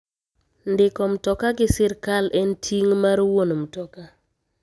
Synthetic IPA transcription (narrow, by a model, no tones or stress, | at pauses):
ndɪkɔmtɔkaɡɪsɪɾkalʔɛntʰiŋmaɾwonmtɔka